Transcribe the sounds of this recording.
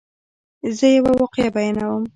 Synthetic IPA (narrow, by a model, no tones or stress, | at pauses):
zəjawawɑqjabajanawəm